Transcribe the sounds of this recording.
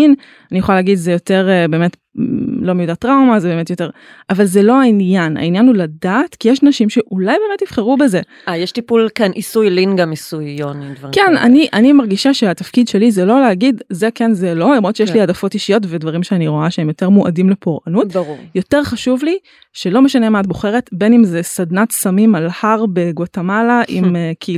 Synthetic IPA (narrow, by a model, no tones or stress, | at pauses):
in | anijeχolaleaːɡid̪zejo̞te̞ʁebe̞ːmet | lo̞mejudatʁawmazebeːmetjo̞te̞ʁ | ʔavalzelo̞ainjana̰injanhuladatkijeʃnaʃimʃe̞ʔulajbe̞ːmetːifχeʁube̞ze | ajɛʃtipulkanʔisujlinɡamisujonimdvʁkena̰niʔanimaʁɡiʃaʃeatafkidʃe̞lizelo̞leaɡidzekenzelo̞lomʁot̪ʃejeʃliadafo̞tiʃijo̞tvedvaʁimʃeaniʁo̞aʃeemjoteʁmuʔa̰dimle̞poʁanutuʁjo̞te̞ʁχaʃuvli | ʃelo̞meʃanemaat̚boχe̞ʁe̞tbe̞nimzesad̪natsamimalhaʁbeɡotamalaʔimekʰi